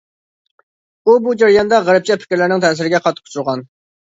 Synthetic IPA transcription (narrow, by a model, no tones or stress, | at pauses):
ubud͡ʒɑɾjɑnd̪ɑʁæɾɨp̚t͡ʃʰɛpʰɪ̥kʲɪɾlɪɾnɪŋt̪ʰɛːs̬ɪɾɪɡʲɛqʰɑt̪ʰːə̥qʰʊ̥t͡ʃʰuɾʁɑn